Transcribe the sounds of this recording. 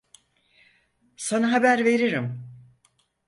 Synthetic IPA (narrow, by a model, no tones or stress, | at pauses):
sanaɦabæɾve̞ɾiɾim